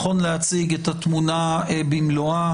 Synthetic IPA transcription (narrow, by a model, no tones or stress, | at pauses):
χo̞nlehat͡siɡetat̪munaebimloa